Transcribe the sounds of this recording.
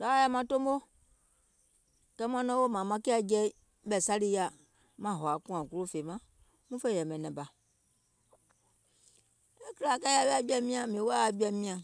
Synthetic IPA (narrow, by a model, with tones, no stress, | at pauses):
da˨˦a˦ja˦mã˨to˦m˦o˦ | kɛ˦m˦ã˦nɔ̃˦wo˦mã˨mã˨˦ke˦a˨d͡ʒɛ˦ | ɓɛ˨sa˦li˦ja˨ | mã˨˦˨ɦɔ˨a˨kũ˦ã˨ku˦lo˦fe˨mã˦ | mũ˦fe˦˨ɛ˨mɛ̃˨nɛ̃˨ba˨ | e˦ki˦la˨ka˦ja˦bɛ˦a˦bi˦a˨mĩ˦ã˨mẽ˨˦wo˦a˦a˨ɡ͡bi˦a˨mĩ˦ã˨